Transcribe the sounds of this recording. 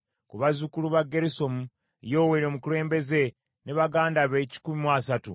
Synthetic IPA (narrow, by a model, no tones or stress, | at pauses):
kuβazukuluβaɡːe̞ɾiso̞mu | jo̞ːweɾomukule̞ːmbe̞ze̞ | ne̞βaɡaːndaβeci̥kumimwasatṵ